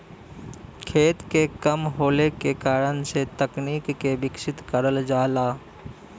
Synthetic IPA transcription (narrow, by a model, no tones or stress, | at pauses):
kʰeːt̪kekəmɦoːlekekaːɾənset̪əkniːkːebɪkʃɪt̪kəɾəld͡ʒaːlaː